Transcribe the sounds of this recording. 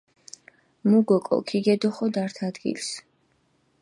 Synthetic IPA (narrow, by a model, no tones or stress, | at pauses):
muɡɔkʼɔ̰kʰiɡɛd̪ɔχɔd̪aɾt̪ʰad̪ɡḭls